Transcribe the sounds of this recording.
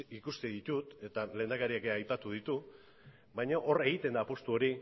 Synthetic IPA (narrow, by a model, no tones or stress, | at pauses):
ikust̪eðit̪ut̪e̞t̪ale̞ːnd̪akaɾiakeajpat̪uð̞it̪u | bajɲaʔore̞ɣ̞it̪e̞nd̪apo̞st̪uo̞ɾi